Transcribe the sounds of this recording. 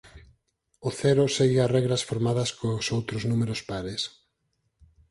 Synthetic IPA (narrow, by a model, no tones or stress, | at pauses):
ʊθɛɾʊseɣɪarɛɣɾɐsfoɾmaðɐskosowt̪ɾʊznumeɾʊspaɾɪs